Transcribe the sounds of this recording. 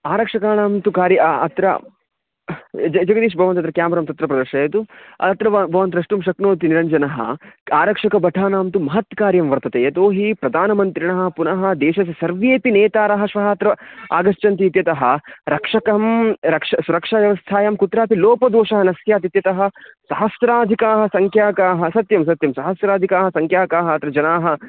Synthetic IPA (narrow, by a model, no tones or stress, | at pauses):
aːɾɐkʂɐkaːnaːmt̪ukaːɾjɐɐ̰t̪ɾɐ̰ | d͡ʒɐd͡ʒɐɡɐd̪iːʃ̬bʱɐʋɐnt̪ɐt̪ɾɐkjaːmɐɾɐmt̪ɐt̪ɾɐpɾɐd̪ɐɾʂɐjɐt̪uɐ̰t̪ɾɐbʱɐʋɐnt̪ɾɐʂʈumʃɐknoːt̪iniɾɐɲd͡ʒɐnɐɦɐ̰aːɾɐkʂɐkɐbɐʈʰaːnaːmt̪umɐɦɐt̪kaːɾjɐmʋɐɾt̪ɐt̪eːjɐt̪oːɦipɾɐd̪ʱaːnɐmɐnt̪ɾiɳɐɦɐ̆punɐɦɐ̆d̪eːʃɐsɐsɐɾʋjeːpineːt̪aːɾɐɦɐ̆ʃʋɐɦɐːt̪ɾɐa̰ːɡɐʃt͡ʃɐnt̪iːt̪jɐt̪ɐɦɐ̆ɾɐkʂɐkɐmɾɐkʂɐsuɾɐkʂaːʋjɐʋɐst̪ʰaːjɐmkut̪ɾaːpiloːpɐd̪oːʃɐɦɐnɐsjaːt̪it̪jɐt̪ɐɦɐ̆sɐɦɐsɾaːd̪ʱikaːɦɐ̆sɐŋkʰjaːkaːɦɐ̆sɐt̪jɐmsɐt̪jɐmsɐɦɐsɾaːd̪ʱikaːɦɐsɐŋkʰjaːkaːɦɐɐt̪ɾɐd͡ʒɐnaːɦɐ̆